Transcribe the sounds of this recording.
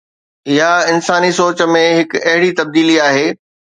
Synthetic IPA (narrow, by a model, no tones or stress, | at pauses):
ɪjaɪnsaːnisoːt͡ɕəmẽɦɪkɐɦɪɽit̪ɐb̚d̪iːliaːɦeː